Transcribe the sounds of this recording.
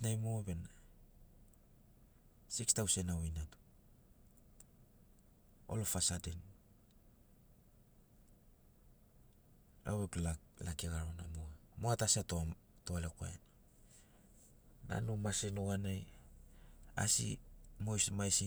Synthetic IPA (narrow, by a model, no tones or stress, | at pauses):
najmoabena | sikstawse̞nawinat | o̰lofasaden | a̰weklalakeɡaɾonamoamoatasiatotoaleko̰en | na̰numasenoɣanaj | a̰sḭmojsmajsi